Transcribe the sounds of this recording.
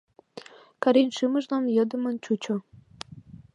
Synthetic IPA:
kɑɾinʃɨməʒlɑmjəd̪ə̆mə̆nt͡ɕut͡ɕo

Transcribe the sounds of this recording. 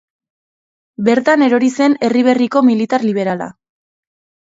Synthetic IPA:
be̞ɾt̪ane̞ɾo̞ɾise̞ne̞riβ̞e̞riko̞milit̪aɾliβ̞e̞ɾala̰

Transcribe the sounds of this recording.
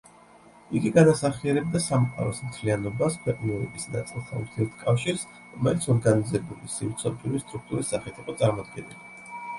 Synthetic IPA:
iɡiɡad̪asaχiɛɾɛb̚d̪asamqʼa̰ɾɔsm̩t̪ʰlianɔbaskʰwɛqʼnɛɾɛbisnat̪sʼilˠt̪ʰaṵɾt̪ʰiɛt̪ʰkʼafʃiɾs | ɾɔmɛlit̪sʰɔɾɡanizɛbulisimt̪sʰɔpʼuɾist̪ʼɾuk̚ʰt̪ʼuɾisːaχɛt̪ʰiqʼɔt̪sʼaɾmɔd̪ɡɛnili

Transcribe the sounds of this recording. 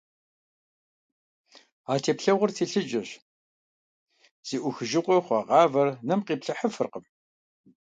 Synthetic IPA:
aːtʰeːpɬɐʁʊrtʰeːɬɨd͡ʒɐɕ | z̥iːʔʷʊxɨʒɪqʷɔχʷɑʁɑːvɐrnɐmqiːpɬɐħəfɨrqəm

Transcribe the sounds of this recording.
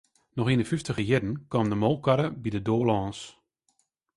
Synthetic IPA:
nɔxindəfyftəɣəjɪdn̩kɔːmdəmoːlˠkaɾəbidədoːlɔːns

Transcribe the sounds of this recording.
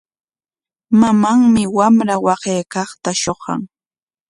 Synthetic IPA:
mamaŋmɪwamɾawɑɢeːkɑχt̪aʃoχɑ̰ŋ

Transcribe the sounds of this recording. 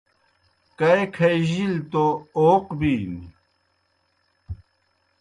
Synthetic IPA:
kɐekʰɐjʑilt̪ooːqbiːn

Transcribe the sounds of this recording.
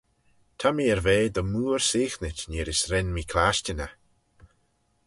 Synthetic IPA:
t̪ʰamiːɛɾveːd̪əmuːɹseːxnɪtneːɾɪsɾɛnmiːkʰlaʃt͡ʃənə

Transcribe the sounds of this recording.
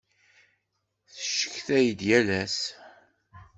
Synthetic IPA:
θəʃə̥çθæjəd̪jælæs

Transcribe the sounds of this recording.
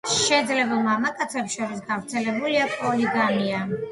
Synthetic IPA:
ʃɛd̪zlɛbɛmamakʼat̪sʰɛpʃɔɾis̬ɡavɾt̪sʰɛlɛbuliapʼɔliɡania

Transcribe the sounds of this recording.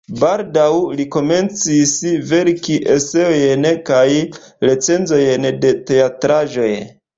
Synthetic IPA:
baldawliko̞me̞nt͡sisve̞ɾkiʔe̞seo̞jnkaj | ɾe̞t͡se̞nzo̞jnde̞te̞atɾaʒo̞j

